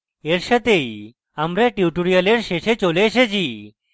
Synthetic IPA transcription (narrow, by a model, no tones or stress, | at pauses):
eɾɕət̪ej | amɾeʈjuʈuɾijaleɾɕeɕet͡ɕoleɕet͡ɕi